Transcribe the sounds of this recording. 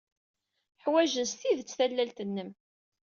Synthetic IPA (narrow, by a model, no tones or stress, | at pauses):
ħwæʒənsθiðt͡sːθælːælt̪ənːəm